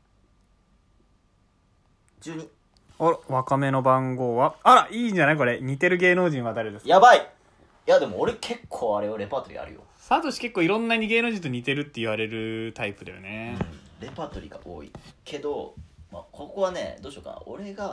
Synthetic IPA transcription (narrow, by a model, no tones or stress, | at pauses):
d͡ʑɨːɲ̟i | oɾβakame̞no̞bãŋɡo̞ːβaaɾaʔiːɲd͡ʑanaiko̞ɾe̞ɲ̟it̪e̞ɾɯ̟ɡe̞ːno̞ːʑĩɰ̃βad̪aɾed̪esjabai | jad̪e̞moːɾekʰe̞kʰːoːaɾe̞joɾe̞paːt̪o̞ɾʲḭa̰ɾɯ̟̰jo̰ | sat̪o̞ɕi̥ke̞kːoːiɾõ̞nːaɲ̟iɡe̞ːnoːʑĩt̪oɲ̟it̪e̞ɾɯ̟t̪ːe̞iβ̞aɾe̞ɾɯ̟t̪aipɯ̟d̪ajo̰ne̞ɯ̃ɾe̞paːt̪o̞ɾʲḭɡa̰ʔo̰ːḭkʰe̞d̪o̞ma̰kʰokokoβane̞̰d̪o̞ːɕo̞ːka̰o̰ɾe̞ɡa